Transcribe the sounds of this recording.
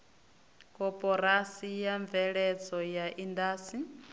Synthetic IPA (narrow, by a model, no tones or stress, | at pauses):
kʼɔpʼɔɾasijaɱb̪vɛɺɛd͡zɔjaʔindaːsi